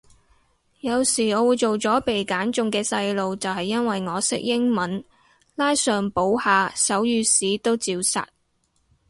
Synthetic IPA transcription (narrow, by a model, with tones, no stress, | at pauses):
jɐ˨˧wsiː˨˩ɔː˨˧wuː˨˧jt͡ʃo˨wt͡sɔː˨˥pe˨jkaː˨˥nt͡ʃʊ˨˧ŋkɛː˧sɐ˧jlo˨˧wt͡sɐ˨whɐ˨jːɐ˥nwɐ˨jŋɔː˨˧sɪ˥k̚jɪ˥ŋmɐ˨˥n | laː˥jsœː˨ŋpo˨˥whaː˨˧sɐ˨˥wjyː˨˧siː˨˥t̪o˥wt͡siː˧wsɐ̰˨t̚